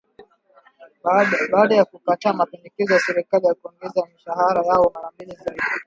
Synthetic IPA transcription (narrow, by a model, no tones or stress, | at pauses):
ɗɓaːɗajakukataːmapɛndɛkɛzɔjasɛɾikalijakuɔŋɡɛzamiʃahaɾajaɔmaɾambilizaiɗi